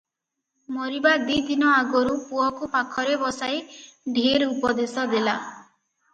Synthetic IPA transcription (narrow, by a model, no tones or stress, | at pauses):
mɔɾibad̪id̪inɔaɡɔɾupuɔkupakʰɔɾebɔsajɖʱeɾupɔd̪esɔd̪ela